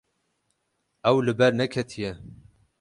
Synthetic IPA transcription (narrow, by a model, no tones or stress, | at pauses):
ɛwlɨbɛɾnɛkʰɛt̪ʰijɛ